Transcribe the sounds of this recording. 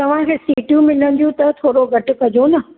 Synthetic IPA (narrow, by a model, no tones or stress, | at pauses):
t̪ɐʋ̤ãkʰeːsiːʈjũmɪlən̆d̪ijũt̪ɐt̪ʰoːɾoɡʱɐʈʊ̆kɐd͡ʑonɐ